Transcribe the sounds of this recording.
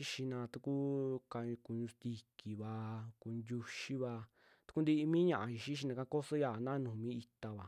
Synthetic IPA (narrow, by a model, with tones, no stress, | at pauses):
i˦ʃi˧nã˧t̪u˧ku˦ka˧ku˧ɲũ˧st̪i˧ki˨βa˧ku˧nd̪ʲu˧ʃi˦βa˧ | t̪u̥˧ku˧nd̪i˧ʔi˧mĩ˦ɲã˧˨ʔã˧ʃi˧ʃi˦ʃ̬i˧nã˧ka˦˧ko˦so˦ja˧˨nã˦nũː˨mĩ˦i˧t̪a˧βa˨